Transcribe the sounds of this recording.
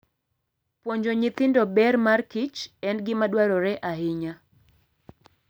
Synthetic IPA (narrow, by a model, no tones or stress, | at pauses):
pwoɲd͡ʒoɲɪt̪ɪndɔbɛrmarkɪt͡ʃɛnɡɪmadwaɾɔɾɛʔaɦɪɲa